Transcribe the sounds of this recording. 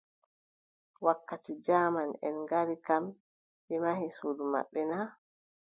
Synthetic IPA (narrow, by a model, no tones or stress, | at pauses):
wakːatid͡ʒaːmanɛ̰nɡaɾikam | ɓɛmahisuːduma̰ɓːɛna